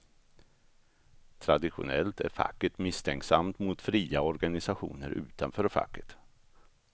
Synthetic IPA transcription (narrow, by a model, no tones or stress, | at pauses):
t̪ʰɾad̪ɪɧʊ̰nɛlt̪ʰæ̰ɾfa̰kːəʈ̪mɪst̪ʰɛŋksamt̪mʊt̪fɾiːaɔɾɡanɪsaɧṵːnəɾʔʉ̟̰ːt̪anfœːɾfa̰kːət̪